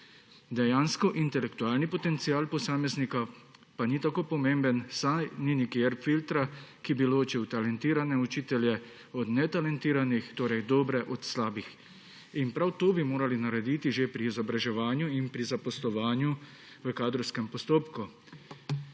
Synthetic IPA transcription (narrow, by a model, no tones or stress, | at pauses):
d̪ɛjaːnskɔʔint̪ɛlɛkt̪uaːlnipɔt̪ɛnt̪siaːlpɔsaːmɛznika | panit̪akoːpɔmembənsaninikiɛɾfilt̪ɾakibiloːt͡ʃiwt̪alɛnt̪iːɾanɛut͡ʃiːt̪ɛljɛ | ɔd̪nɛt̪alɛnt̪iːɾanixt̪oːɾɛjd̪oːbɾɛʔɔt̪slaːbix | inpɾawt̪oːbimoːɾalinaɾɛd̪iːt̪iʒepɾiːzɔbɾaʒɛʋaːnjuinpɾizapɔslɔʋaːnju | ʋəkaːd̪ɾɔwskɛmpɔst̪oːpku